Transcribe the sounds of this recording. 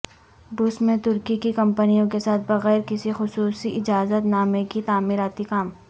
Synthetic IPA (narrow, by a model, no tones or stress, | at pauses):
ɖʊsmẽt̪ʊɾkikikɐ̃mpənijõkesaːt̪̚ʰbɐɣɛːɾkɪsixʊsuːsiʔɪd͡ʒaːzət̪naːmẽkit̪aːmiːɾaːt̪ikaːm